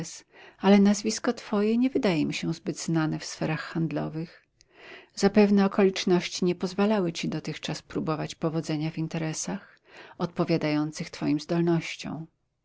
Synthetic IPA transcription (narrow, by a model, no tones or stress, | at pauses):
salɛnazvʲiskɔt̪fɔjɛɲɛvɘd̪ajɛmʲiɕɛzbɘd̪znanɛfsfɛɾaxxand̪lɔvɘx | z̥apɛvnɛɔkɔlʲit͡ʂnɔɕt͡ɕiɲɛpɔzvalawɘt͡ɕid̪ɔt̪ɘxt͡ʂaspɾubɔvat͡ɕpɔvɔd̪zɛɲavint̪ɛɾɛsax | ɔt̪̚pɔvʲjad̪ajɔnt̪sɘxt̪fɔjimzd̪ɔlnɔɕt͡ɕɔ̰̃w̃